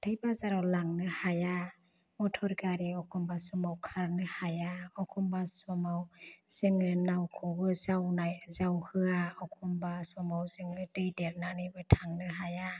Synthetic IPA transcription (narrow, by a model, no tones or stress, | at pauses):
tʰajbazaɾawlaŋnɯhaja | mɔtʰɔɾɡaɾiɔkʰɔmbasɔmawkʰaɾnɯhajaɔkʰɔmbasɔmawz̥ɯŋnɯnawkʰɔbɯzawnajzawhɯaɔkʰɔmbasɔmawzɯŋnɯdɯjdeɾnanɯjbɯtʰaŋnɯɦaja